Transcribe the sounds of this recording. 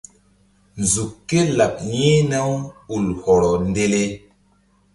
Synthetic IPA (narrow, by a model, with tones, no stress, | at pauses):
nzu˨kːe˦la˨p̚ɲe˦na˦wu˨lhɔ˨ɾɔ˨nde˦le˦